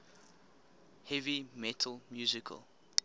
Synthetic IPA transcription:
hɛvimɛtʰəlmjuzikʰə̰lˠ

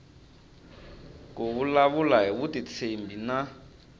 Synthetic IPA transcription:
koβulaβulaɦiβutit͡sʰembina

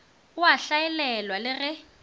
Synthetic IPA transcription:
ʊaɬaɛlɛlwalɪrɪ

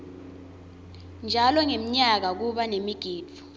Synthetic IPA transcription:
nd͡ʒʱalɔŋem̩ɲak̬ak̬uɓanemiɡ̥ʱiːdu̥

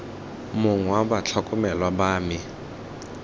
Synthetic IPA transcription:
mʊŋwabat͡ɬʰakʼʊmɛlwabaːmɪ

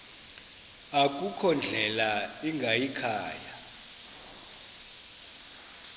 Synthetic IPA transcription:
akʼukʰɔnd͡ɮʱɛlaiŋɡʱajikʰaːja

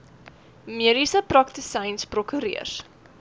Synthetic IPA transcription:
miəɾisəprɐk̚təsɛjnsprokyɾḭərs

